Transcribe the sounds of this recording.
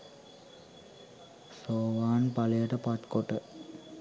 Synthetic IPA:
soːʋaːnpalejəʈəpat̪koʈə

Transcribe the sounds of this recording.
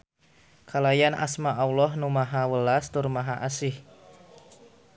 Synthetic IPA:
kʰalajanʔa̰smaʔawlɔhnumaɦawəlast̪ʊrmaɦaʔasɪh

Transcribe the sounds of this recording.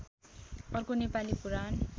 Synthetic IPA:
ʌrkonepalipuɾan

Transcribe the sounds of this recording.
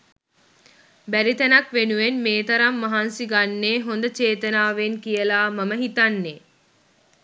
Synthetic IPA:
bæɾit̪ænɐkʋenuʋenmeːt̪ɐɾamːaɦansiɡanːeːɦond̪ət͡ʃeːt̪ənaːʋenkijəlaːmɐməɦit̪anːe

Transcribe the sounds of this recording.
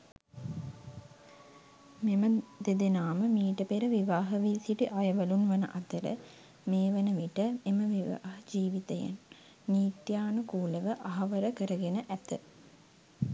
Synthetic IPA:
meməd̪ed̪enaːməmiːʈəpeɾəʋiʋaːɦəʋiːsiʈiʔajɐʋɐlunʋɐnə̰ʔat̪əɾə̰ | meːʋɐnəʋiʈəeməʋiʋa̰ːɦəd͡ʒiːʋit̪ɐjḛnː | iːt̪jaːnukuːləʋəʔaɦɐʋəɾəkəɾəɡenəʔæt̪ə

